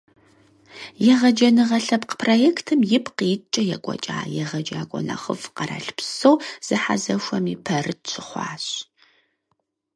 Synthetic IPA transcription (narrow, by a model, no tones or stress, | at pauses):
jɛʁɐd͡ʒɐnɨʁɐɬɐpqə̥pʰroːjeːktʰɨmjɪpʰqijt͡ʃʼɐjɛkʷʼɔ̰t͡ʃʼa̰ːjɛʁɐd͡ʒʼaːkʷʼɔ̰nɐ̰χə̰fqɐra̰ːɬpsowz̥ɨħa̰zɐʃʷɐmipʰɐrɨt̚t͡ʃʷʰɪχʷɑ̰ːɕ